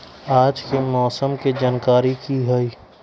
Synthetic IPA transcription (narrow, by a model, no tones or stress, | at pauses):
aːd͡ʒkemɔːsəmked͡ʒaːnkaːɾikiɦəiː